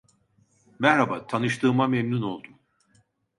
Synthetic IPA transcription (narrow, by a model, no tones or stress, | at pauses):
mɛhɾabat̪ʰanɯʃt̪ʰɯːmamemnuno̞lˠd̪um